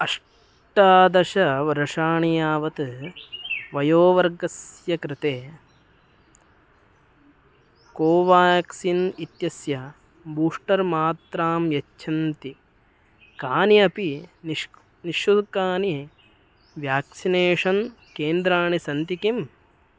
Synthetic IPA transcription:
ɐʂ | ʈaːd̪ɐʃɐʋɐɾɐʂaːɳijaːʋɐt̪ɨ | ʋɐjoːʋɐɾɡɐsjɐkɾɪt̪eː | koːʋaːjɐksinit̪jɐsjɐ | buːʂʈɐɾmaːt̪ɾaːmjɐt͡ʃːʃʰɐnt̪i | kaːniɐpiniʃ | niʃjud̪kaːni | ʋjaːksineːʂɐn | keːnd̪ɾaːɳisɐnt̪ikim

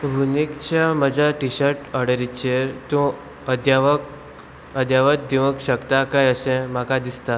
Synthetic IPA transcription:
ʋunikt͡ɕaməd͡ʑʱaʈiɕəɾʈəɽəɾit͡ɕeɾt̪ũ | əd̪jaʋək | əd̪jaʋət̪̚d̪iʋəkɕəkt̪akajəsɛ̃m̤akad̪ist̪a

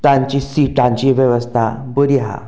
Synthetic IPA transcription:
t̪ãɲt͡ɕisiʈãɲt͡ɕiʋjeʋəst̪ʰabəɾiɦa̰

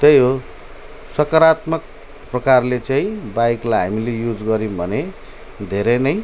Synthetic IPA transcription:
t̪ʌjɦo | sʌkʌɾat̪mʌk̚ | prʌkarlet͡saĩbajklajɦa̰milejud͡zɡʌɾimbʱʌne | d̪ʱeɾʌnʌj

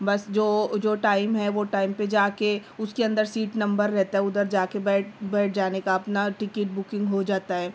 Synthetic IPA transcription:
bɐsd͡ʒoːd͡ʒoːʈaːɪmɦɛʋoʈaːɪmped͡ʒaːkeʊskeɐ̃nd̪əɾsiːʈnɐ̃mbəɾːɛɦt̪aɦɛʊd̪əɾd͡ʒaːkebɛːʈ̚bɛːʈ̚ʰd͡ʒaːnekaɐpnaʈɪkɪʈ̚bʊkɪ̃ŋɡɦod͡ʒaːt̪aɦɛː

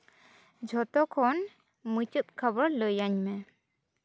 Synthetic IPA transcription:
d͡ʒʱɔt̪ɔkʰɔn | mɨt͡ʃut̪̚kʰəbəɾləjaɲmɛ

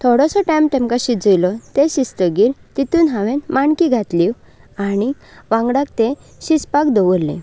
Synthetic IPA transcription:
t̪ʰɔɽɔsɔʈamʈ̪ɛ̃mkaɕid͡zəjlɔt̪eɕist̪əɡiːɾt̪it̪uːnɦãʋẽnmaɳkiɡʱat̪liw | añi | ʋãŋɡɽak̚t̪ẽ | ɕispakd̪ɔʋəlːḛ̃

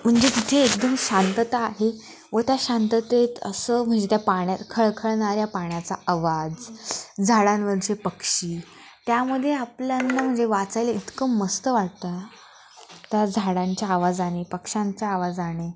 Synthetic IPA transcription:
m̤əɳd͡zet̪it̪ʰeːkd̪əmɕant̪ət̪aːɦe | ʋət̪jaɕant̪ət̪et̪ə̰səːm̤əɳd͡zet̪japaɳjakʰəɭkʰəɭɳaɾjapaɳjat͡sa̰aʋad͡zd͡zʱaɽanʋəɾt͡ɕepəkʂiː | t̪jaməd̪ʱjeapljanːam̤əɳd͡zeʋat͡sajləit̪kəməst̪əʋaɽ̚t̪a | t̪jad͡zʱaɽaɲt͡ɕjaːʋad͡zaɽ̃epəkʂaɲt͡ɕjaːʋad͡zaɽ̃e

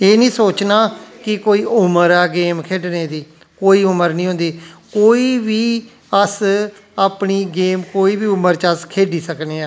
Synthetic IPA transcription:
eːnĩːsoːt͡ʃnaːkɪkoːiːʔʊməɾɛːɡeːmkʰeːɖneːd̪iː | koːiːʊməɾnĩːɦõnd̪iːkoːiːʋiː | əs | aːpɳiːɡeːmkoːiːbiːʊməɾt͡ʃəskʰeːɖiːsəkneːaː

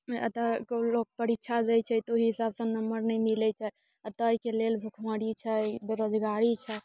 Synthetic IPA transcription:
ə̰t̪əkolok̚pəɾitːʃʰad͡ʒɛt͡ʃʰɛt̪oɦiɦisabsənəməɾnɛjmilɛt͡ʃʰɛ | ət̪əikelelbʱukʰməɽit͡ʃʰɛbeɾod͡ʒɡaɾit͡ʃʰɛ

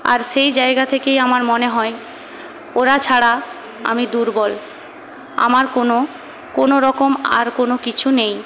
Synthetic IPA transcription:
a̰ɾʃejd͡ʑaeɡat̪ʰekejamaɾmoneɦɔe | oɾat͡ɕʰaɽa | a̰mid̪uɾbɔl | a̰maɾkono | konoɾɔkoma̰ɾkonokit͡ɕʰunej

